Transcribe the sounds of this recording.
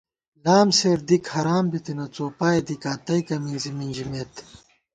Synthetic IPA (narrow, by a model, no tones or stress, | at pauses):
laːmseːɾd̪ikhɐɾaːmbit̪inɐt͡soːpaːed̪ikaːt̪ɐjkɐminziminʲd͡ʑimeːt̪